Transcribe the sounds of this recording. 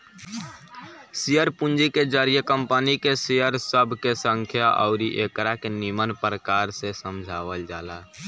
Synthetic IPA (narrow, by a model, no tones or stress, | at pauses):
sijəɾpund͡ʒiked͡ʒaɾijəkəmpənikesejəɾsəbʱkesəŋkʰjaʔɔ̰ʊɾiʔekɾakenimənpɾəkaːɾsesəmd͡ʒʱaʋəld͡ʒa̰ːla